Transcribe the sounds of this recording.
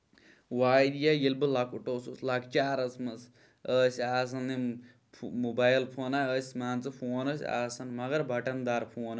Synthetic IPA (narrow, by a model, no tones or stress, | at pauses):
waːjd̪ijajilbɨlɐkʰuʈoːsusʲlɐkt͡ʃaːɾɐsmɐs | əsʲaːs̬ɐnni | mubaːjlpʰoːnaəsʲmaːnt͡sɨpʰoːnɐsʲa̰ːsɐnmɐɡɐɾbʱɐʈɐnd̪aːɾpʰoːnɐ